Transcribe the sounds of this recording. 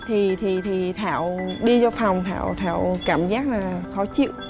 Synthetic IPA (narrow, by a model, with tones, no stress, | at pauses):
t̪ʰi˨˩t̪ʰi˨˩t̪ʰi˨˩t̪ʰaː˧˩wɗi˧t͡ɕɔ˧fa˨˩wŋ͡mt̪ʰa̰ː˧˩˨wt̪ʰa̰ː˧˩˨wkaː˧˩mzaː˦˥k̚laː˨˩xɔ˨˦t͡ɕḭ˧˨w